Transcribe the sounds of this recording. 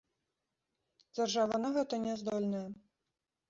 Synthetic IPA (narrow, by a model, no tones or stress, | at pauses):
d͡zʲarʐavɐnɐɣɛt̪ɐnʲɛzd̪ɔlʲnɐjɛ